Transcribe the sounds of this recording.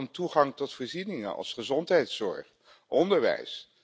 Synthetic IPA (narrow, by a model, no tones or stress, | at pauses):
ntuχɑŋtɔtfɔːɹzinɪŋə̰nɑ̰lˠsχəzɔntɦɛjtsɔ̰ɹχ | ʔɔndəɹʋɛ̰js